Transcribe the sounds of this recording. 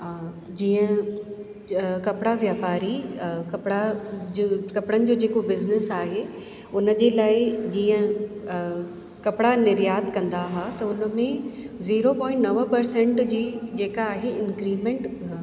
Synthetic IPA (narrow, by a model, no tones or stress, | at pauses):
a | d͡ʑiːə̃ | kɐpɪɽaʋjaːpaːɾikɐpɪɽad͡ʑkɐpɪɽənɪ̆d͡ʑoːd͡ʑeːkobɪznɪsaːɦe | ʊnə̆d͡ʑeːlaːɪd͡ʑiːə̃ | kɐpɪɽanɪɾjaːd̪kɐ̃nd̪aɦat̪ɐʊnə̆mẽziːɾopɔ̃ːɪ̃ɳʈnɐʋəpɐɾsɛ̃ɳʈd͡ʑiːd͡ʑeːkaːɦeɪnkɾiːmẽɳʈ